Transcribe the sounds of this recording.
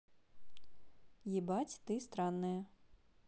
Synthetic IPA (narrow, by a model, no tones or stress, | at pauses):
jibɑtʲt̪ɪst̪ɾɑnːɐjɐ